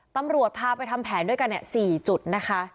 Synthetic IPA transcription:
t̪a˧mɾu˨˩ət̪̚pʰaː˧pa˧jt̪ʰa˧mpʰɛː˩˦ndu˥˩əjka˧nːi˧˨˩siː˨˩t͡ɕu˨˩t̪̚na˦˥kʰa˦˥

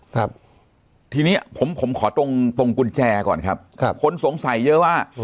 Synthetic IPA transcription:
kʰa˦˩p̚ | t̪ʰiː˧niː˦˥pʰo˩˦mpʰo˩˦mkʰɔː˩˦t̪o˧ŋt̪o˧ŋku˧nt͡ɕɛː˧kɔ̰ː˨˩nkʰa˦˥p̚ʰa˦˥kʰo˧nso˩˦ŋsa˩˦jːɤ˦˥waː˥˩

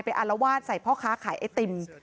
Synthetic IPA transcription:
jpa˧jʔa˧la˧˥waː˥˩t̪̚sa˨˩jpʰɔː˥˩kʰaː˦˥kʰaː˩˦jʔa˧˩jt̪e˧m

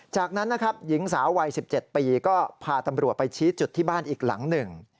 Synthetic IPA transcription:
t͡ɕaː˨˩k̚na˦˥nːa˦˥kʰɾa˦˥p̚ji˩˦ŋsaː˩˦wːa˧jsi˨˩p̚t͡ɕe˨˩t̪̚piː˧kɔː˥˩pʰaː˧t̪a˧mɾu˨˩ət̪̚pa˧jt͡ɕʰiː˦˥t͡ɕu˨˩t̪ʰːiː˥˩baː˥˩nʔiː˨˩k̚la̰˩˦ŋnɯ˨˩ŋ

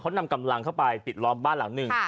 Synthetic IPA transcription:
kʰa˦˥wna˧mka˧mla˧ŋkʰa˥˩wpa˧jpi˨˩t̪̚lɔː˦˥mbaː˥˩nla˩˦ŋnɯ˨˩ŋ

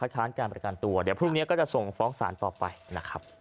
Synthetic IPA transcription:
kʰa˦t̪̚kʰaː˦˥nkaː˧npɾa˧ka˧˩nt̪u˧ɐdi˨˩˦pʰɾuː˥˩ŋni˦˥ɐkɔː˥˩t͡ɕa˨˩ʔso˨˩ŋfɔː˦˥ŋsa̰ː˩˦nt̪ɔː˨˩pa̰˧jna˦˥kʰa˦˥p̚

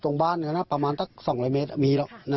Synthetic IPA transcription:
t̪o˧ŋbaː˥˩nkʰːnːa˦˥˩pa˧maː˧nsa˥k̚sɔː˨˩˦ŋlɔː˧jmeː˦˥t̪̚a˧˩miː˧lɔ˧˩ʔna˦˧

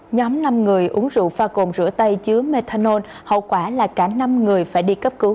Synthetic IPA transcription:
ɲɔ˨˦mna˧mŋɨ˨˩əjʔɨ˨˦əŋzṵ˧˨faː˧ko˨˩mzɨ̰˧˥ət̪ə˧jt͡ɕɨ˨˦əme˧t̪ʰaː˧no˧n | hə̰˧˨wkwaː˧˩laː˨˩kaː˧˩na˧mŋɨ˨˩əjfaː˧˩jɗi˧kə˦˥p̚kɨ˨˦w

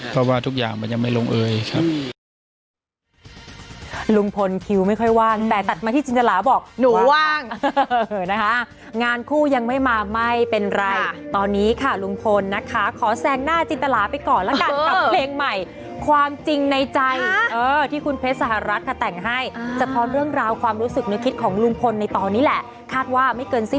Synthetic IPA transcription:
pʰɾɔ˦˥waː˥˩t̪ʰu˦˥k̚ja̰ː˨˩ŋma˧nja˧ŋma˥˩jlo˧ŋʔɤː˧jkʰa˦˥p̚ | lu˧ŋpʰo˧nkʰi˧wma˥˩jkʰɔ˥˩jwaː˥˩ŋt̪ɛː˨˩t̪a˨˩t̪̚maː˧t̪ʰiː˥˩t͡ɕi˧nt̪a˧laː˩˦bɔː˨˩k̚nuː˨˦waː˥˧˥ŋː˩ | na˦˥kʰa˦˥ | ŋaː˧nkʰuː˥˩ja˧ŋma˥˩jmaː˧ma˥˩jpe˧nɾa˧jjt̪ɔː˧nːiː˦˥kʰa˦˥˩lu˧ŋpʰo˧nːa˦˥kʰa˦˥kʰɔː˩˦sɛː˧ŋnaː˥˩t͡ɕi˧nt̪a˧laː˩˦pa˧jkɔː˨˩nlɛ˦˥kaː˧na˨˩leː˧ŋma˨˩j | kʰwaː˧mt͡ɕi˧ŋna˧jt͡ɕa˧jʔɤː˧t̪ʰiː˥˩kʰu˧npʰe˦˥t̪̚sa˨˧˦ha˨˩ɾa˦˥t̪̚kʰa˥˩t̪ɛ˨˩ŋɦa˥˩jsa˧t̪ʰɔː˦˥nɾɯ˥˩əŋɾaː˧wkʰwaː˧mɾuː˦˥sɯ˨˩k̚nɯ˦˥kʰi˦˥t̪̚kʰɔː˩˦ŋlu˧ŋpʰo˧nːa˧jt̪ɔː˧nːiː˦˥lɛ˨˩ʔ | kʰaː˥˩t̪̚waː˥˩ma˥˩jkɤː˧nsi˥˩

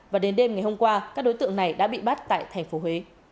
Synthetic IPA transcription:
vaː˨˩ɗe˨˦nɗe˧mŋa˨˩jho˧mŋ͡mkwaː˧kaː˦˥k̚ɗo˨˦jt̪ɨ̰˧˨əŋna˨˩jɗa̰ː˧˥ɓḭ˧˨ɓa˦˥t̚t̪a̰ː˧˨jt̪ʰɛ˨˩jŋ̟fo˨˦ɦwe˨˦

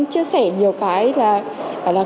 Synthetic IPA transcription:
ŋt͡ɕɨ˧əsɛ˧˩ɲi˨˩əwkaː˨˦jlaː˨˩˨ | laː˨˩

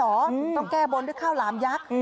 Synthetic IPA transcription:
ɔː˩˦ɔ˧˩ŋkɛː˧˩bo˨˧˦ndɯ˧˩kʰaː˥˩wlaː˨˦mjaː˦˥k̚

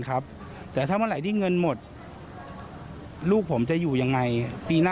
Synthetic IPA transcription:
nkʰa˦˥p̚ | t̪ɛː˨˩t̪ʰaː˥˩ma˧˥nla˨˩˦jt̪ʰiː˥˩ŋɤ˧nmo˨˩t̪̚ | luː˥˩k̚pʰo˩˦mt͡ɕa˨˩juː˨˩ja˧ŋːa˧jpiː˧naː˥

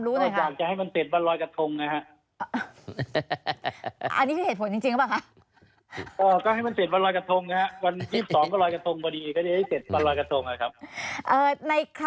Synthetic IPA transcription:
ɾuː˦˥na˧˩jkʰjaː˧˨˩k̚t͡ɕa˨ha˥˩jma˧nse˨˩t̪̚ba˧nɾɔː˧jka˧t̪ʰo˧ŋna˦˥ha˦˥ʔ | ʔa̰˧nːi˦˥˧e˨˩t̪̚pʰo˩˦nt͡ɕi˧ŋt͡ɕi˧ŋkbaː˥˩ŋkʰa˦˥ʔ | kɔː˧˩kɔː˥˩ha˥˩jma˧nse˨˩t̪̚wa˧nlɔː˧jka˧t̪ʰo˧ŋna˦˥ha˦˥wa˧njiː˥˩p̚sɔː˩˦ŋkɔː˥˩ɾɔː˧jka˧t̪ʰo˧ŋbɔː˧diː˧kɔː˥˩ɾa˥˩ha˥˩jse˨˩t̪̚ba˧nɾɔː˧jka˧t̪ʰo˧ŋha˨˩kʰa˦˥p̚ʔɤː˨˧˩na˧jkʰ

